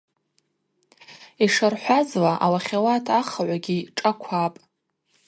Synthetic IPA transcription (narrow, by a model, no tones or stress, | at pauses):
iʂarħʷazlaʔawaχʲawatʰaχaʕʷaɡʲiʈ͡ʂʼakʷʰapʼ